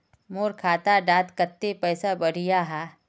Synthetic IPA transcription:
moːɾkʰaːt̪aɖaːt̪kət̪ːepɛːsabɐɽ̤ijaɦɛː

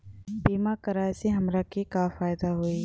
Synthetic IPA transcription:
biːmakɐɾaːjseɦɐmɾakikafaːɪd̪aɦoːi

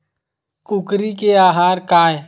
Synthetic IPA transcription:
kʊkɾikeaːɦaːɾkaːe

